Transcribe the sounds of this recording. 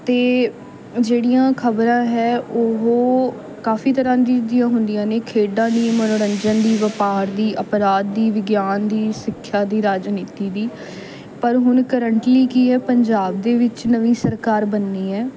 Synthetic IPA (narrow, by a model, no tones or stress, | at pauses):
t̪eː | d͡ʒeːɽijãːkʰəbɾãːɦɛːʔoɦoː | kaːfiːt̪əɾãːd̪iːd̪ijãːɦʊnd̪ijãːneːkʰeːɖãːd̪iːmənoːɾəɲd͡ʒənd̪iːʋəpaːɾd̪iːʔəpɾaːd̪̚ːiːʋɪɡjaːnd̪iːsɪkʰːjaːd̪iːɾaːd͡ʒniːt̪iːd̪iː | pəɾɦʊnkəɾəɳʈliːkiːɛːpəɲd͡ʒaːb̚d̪eːʋɪt͡ʃnəʋĩːsəɾkaːɾbənːiːɛː